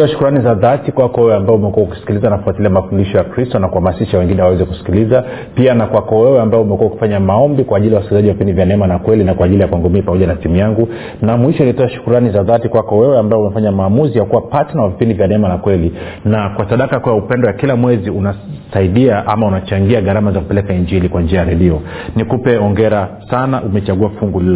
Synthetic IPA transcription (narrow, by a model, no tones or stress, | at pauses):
tɔaʃu̥kuɾanizaðatikwakɔwɛwɛambaɛumɛkuwauki̥si̥kilizanafuatiliamafundiʃɔjakɾistɔnakuhamasiʃawɛŋɡinɛwawɛzɛku̥si̥kiliza | pianakwakɔwɛwɛambaɛumɛkuauki̥faɲamaɔmbikwaːʄiliawasi̥kilizaʄiwavipindivjanɛɛmanakwɛlinakwaːʄilijakwaŋɡɔmiːpamɔʄanatimujaŋɡu | namwiʃɔilitɔaʃu̥kuɾanizaðatikwakɔwɛwɛambaɔumɛfaɲamaːmuzijakuwapatɛnawavipindivjanɛɛmanakwɛlinakwasaɗakakɔjaupɛndɔjakilamwɛziunasaiɗiaʔa̰maunat͡ʃaŋɡiaɠaɾamazaku̥pɛlɛkaiɲd͡ʒilikwand͡ʒiajaɾɛɗiɔ | nikupɛɔŋɡɛɾasanaʔumɛt͡ʃaɠuafuŋɡulil